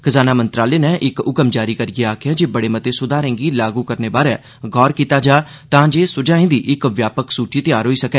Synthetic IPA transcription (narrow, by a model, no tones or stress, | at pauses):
kʰəzaːnaːmə̃nt̪ɾaːleːnɛ̃ːʔɪkʊkəmd͡ʒaːɾiːkəɾɪɡeaːkʰjãːd͡ʒeːbəɽeːmət̪eːsʊd̪aːɾɛ̃ːŋɡiːlaːɡuːkəɾneːbaːɾɛː | ɡɔːɾkiːt̪aːd͡ʒaːt̪ãːd͡ʒeːsʊd͡ʒaːẽːd̪iːʔɪkʋjaːpəksuːt͡ʃiːt̪ɪjaːɾɦoːiːsəkɛː